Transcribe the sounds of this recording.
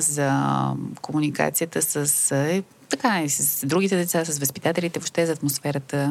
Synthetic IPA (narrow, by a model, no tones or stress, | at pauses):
zɐkomunika̰t̪sijət̪əsəsɛ | t̪ɐkaisəsd̪ɾuɡ̟it̪ɛd̪ɛt̪sasəsvəspit̪at̪ɛlit̪ɛvoʃt̪ɛzɐːt̪mosfɛɾət̪ə